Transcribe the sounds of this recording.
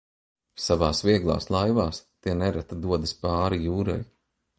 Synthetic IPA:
savaːsviɛɡlˠa̰ːslˠajvaːst̪iɛnɛɾat̪ad̪uɔd̪ɨspaːɾijuːɾa̰j

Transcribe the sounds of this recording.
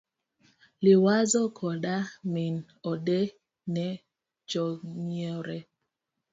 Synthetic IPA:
liwazɔkʰɔɗamin | ɔɗe | nɛ | d͡ʒɔŋɔɾɛ

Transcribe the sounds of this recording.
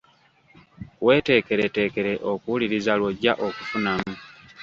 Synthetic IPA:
we̞ːte̞ːke̞ɾete̞ːke̞ɾe̞ʔo̞kuuliɾizalwoɟaʔo̞kufunamu

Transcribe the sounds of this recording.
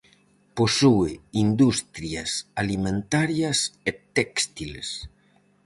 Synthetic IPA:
posueind̪ust̪ɾiasalimẽnt̪aɾjaset̪ɛkst̪ilḛs

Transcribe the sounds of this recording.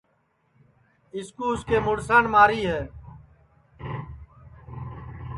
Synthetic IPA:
ɪskuːskeːmʊɽsaːnmaːɾiːɦeː

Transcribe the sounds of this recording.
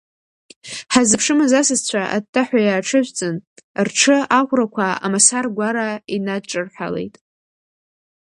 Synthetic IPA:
ħazɨpʰʂɨmazasɨzt͡ɕʷʰaʔa̰d̚tʰʼːaħʷajaːʈ͡ʂʰɨʒʷt͡sʼɨnrʈ͡ʂʰɨakʷrakʷʰaa̰masarɡʷaɾainadʈ͡ʂʼɨrħʷᶣa̰le̞̰jtʼ

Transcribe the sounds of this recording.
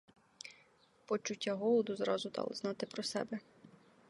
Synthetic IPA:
pɔt͡ʃʊtʲːaɦɔlˠɔd̪ʊzɾɑ̰zʊd̪ɑ̰lˠɪ̰znɑt̪ɪpɾɔsɛ̰bɛ

